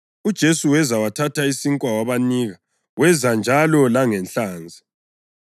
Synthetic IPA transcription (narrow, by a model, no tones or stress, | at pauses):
ud̥ʒ̥ʱesuwɛzawatʰataisiŋkʼwawaβaniːɣa | wɛzand͡ʒʱalɔlaŋɛnɬaːnd͡zʱi